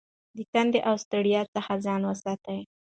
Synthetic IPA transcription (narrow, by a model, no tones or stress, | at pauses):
d̪ək̪and̪eʔawst̪aɽijɑt͡səxazɑnwəsɑt̪aj